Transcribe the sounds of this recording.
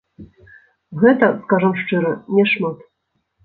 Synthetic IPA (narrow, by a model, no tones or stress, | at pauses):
ɣɛt̪ɐskaʐɐmʂt͡ʂɨɾɐnʲɛʂmat̪